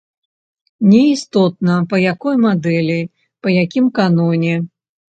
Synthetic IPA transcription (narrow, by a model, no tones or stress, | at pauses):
nʲɛist̪ɔt̪nɐpɐjakɔjmad̪ɛlʲi | pɐjakʲimkanɔnʲɛ